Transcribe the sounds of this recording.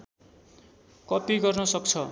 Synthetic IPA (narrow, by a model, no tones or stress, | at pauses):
kʌpiɡʌrnʌsʌk̚t͡sʰʌ